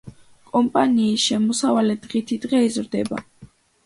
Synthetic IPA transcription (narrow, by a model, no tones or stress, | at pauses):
kʼɔmpʼaniːsʃɛmɔsavalɛd̪ʁit̪ʰid̪ʁɛizɾd̪ɛba̰